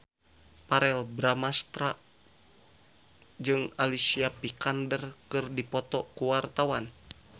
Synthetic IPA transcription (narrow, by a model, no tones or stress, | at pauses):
paɾɛlbɾamast̪ɾa | d͡ʒɨŋalisiapikandərkɨrdipɔt̪ɔkuwart̪awan